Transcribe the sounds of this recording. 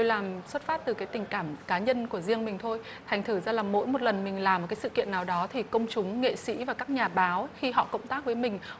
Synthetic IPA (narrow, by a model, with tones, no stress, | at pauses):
o˧jlaː˨˩mswt̚faː˦˥p̚t̪ɨ˨˩kaː˨˦jt̪ï˨˩ŋ̟kaː˧˩mkaː˨˦ɲə˧nku˧˩əzi˧əŋmï˨˩ŋ̟t̪ʰo˧j | t̪ʰɛ˨˩jŋ̟t̪ʰɨ˧˩zaː˧laː˨˩mo̰˧˥jmo˨˩t̚lə˨˩nmï˨˩ŋ̟laː˨˩m̚˨˩kaː˨˦jsɨ̰˧˨kḭ˧˨ənːaː˨˩wɗɔ˨˦t̪ʰi˨˩kə˧wŋ͡mt͡ɕʊ˨˦ŋ͡mŋḛ˧˨sḭ˧˥vaː˨˩kaː˦˥k̚ɲaː˨˩ɓaː˨˦wxi˧ɦɔ̰˧˨kə̰˧˨wŋ͡mt̪aː˦˥k̚vəː˨˦jmï˨˩ŋ̟